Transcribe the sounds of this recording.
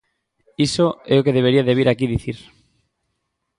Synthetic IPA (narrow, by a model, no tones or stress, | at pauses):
isoɛokeðeβ̞eɾiaðeβ̞iɾakiðiθiɾ